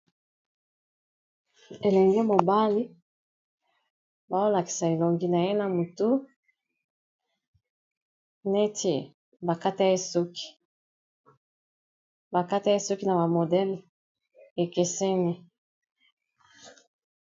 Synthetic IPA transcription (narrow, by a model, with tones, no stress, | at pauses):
e˨lɛ˨ŋɡe˦mo˨ba˦li˦ | ba˨o˦la˨ki̥˨sa˨e˨lo˨ŋɡi˦na˨je˦na˨mo˨tu˦ | ne˦tʰe˨ | ba˨ka˦ta˦e˦so˦ki̥˨ | ba˨ka˦ta˦e˦so˦ki˦na˨ba˨mo˨dɛ˦l | e˨ke˨sɛ˦ni˦